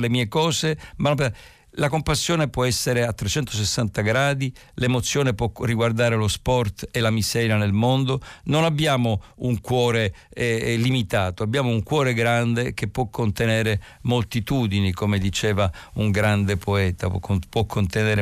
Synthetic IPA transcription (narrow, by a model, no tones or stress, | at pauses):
lemiːekɔːsemanompe | lakompasːjoːnepwɔɛsːeɾeat̪ːɾet͡ʃːɛnt̪os̬esːant̪aɡɾaːd̪i | lemot̪sːjoːnepwɔriɡward̪aːɾelospɔrt̪elamisɛɾjanelmond̪ononabːjaːmouŋkwɔːɾeɛlimit̪aːt̪oabːjaːmouŋkwɔːɾeɡɾand̪ek̟epːwɔkʰːont̪enɛːɾe | molt̪it̪uːd̪inikomed̪it͡ʃeːvauŋɡɾand̪epʰoɛːt̪apwɔkʰːont̪enɛeːɾe